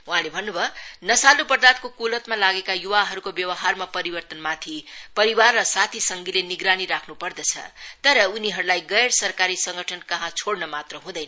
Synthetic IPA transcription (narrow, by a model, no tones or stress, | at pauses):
wũɦãlebʱʌnːubʱʌnʌsalupʌrd̪at̪̚kokulʌt̪malaɡekajuwaɦʌɾukobjʌwʌɦarmapʌɾibʌrt̪ʌnmat̪ʰipʌɾiwarːʌsat̪ʰisʌŋɡileniɡɾaniɾakʰnupʌrd̪ʌt͡sʰʌ̰t̪ʌɾʌuniɦʌɾulajɡʌjɽsʌrkaɾisʌ̃ŋɡʌʈʰʌnkʌɦãt͡sʰoɽnʌmat̪rʌɦũd̪ʌjnʌ